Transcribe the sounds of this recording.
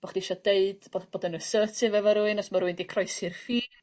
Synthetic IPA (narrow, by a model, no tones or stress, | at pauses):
b̥ɔχd̥iʃɔdeɨd̥bɔb̥oːdənusəːtʰɪvɛvɔɾuɨnɔsmaɾuɨndikʰrɔjsɪrfiː